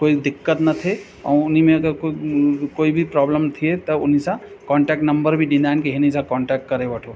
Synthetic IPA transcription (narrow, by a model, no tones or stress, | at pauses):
koid̪ɪkːət̪nɐt̪ʰe | ã̰ʊnimẽɐɡəɾkkoːibʱipɾɔbləmt̪ʰijet̪əʊnisə̃ | kɔ̃ːɳʈɛk̚ʈnəmbəɾbʱiɖinajnkeɦinisãkɔːɳʈɛk̚ʈ̚kəɾebəʈʰo